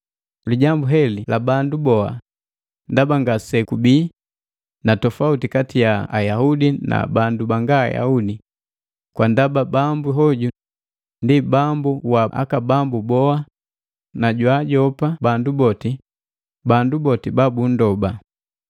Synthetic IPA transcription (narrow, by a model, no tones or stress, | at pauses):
liɟambuɦɛlilʔabandubɔa̰ | ndabaŋɡasɛkubiː | natɔfautikatijaajahudina̰bandubaŋɡa̰ja̰hudi | kwandababambuɦɔɟu | ndibambuwaʔa̰kabambubɔa | naɟwaɟɔpabandubɔti | bandubɔtibabun̩dɔba